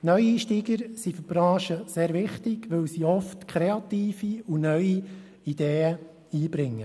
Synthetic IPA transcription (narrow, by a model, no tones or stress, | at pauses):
nœɥiiːʃtiːɡəɾsifyb̥ɾɑ̃ːʃəseːɾʋɪχtɪɡ̥ʋɵwsiɔftkʰɾeɑt̪iːfiunœɥi | id̪̥eːə | iːbɾɪŋːə